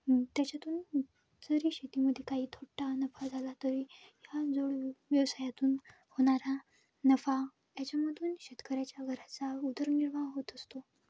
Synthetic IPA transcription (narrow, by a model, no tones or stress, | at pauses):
t̪jat͡ɕat̪uːn | d͡zəɾiːɕet̪iməd̪ʱjekaɦiːt̪ʰoʈanəfad͡zʱalat̪əɾijad͡zoɭʋjəʋsajat̪uːn | hoɽ̃aɾa | nəfa | jat͡ɕjaməd̪ʱuːnɕet̪kəɾjat͡ɕjaɡʱəɾat͡saud̪əɾniɭʋaɦot̪əst̪o